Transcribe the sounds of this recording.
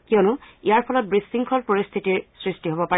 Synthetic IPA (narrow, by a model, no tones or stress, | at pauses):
kiɔnʊijaɹpʰɔlɔt̚bɹisːiŋkʰɔlpoɹist̪ʰitiɹsɹistiɦobɔpa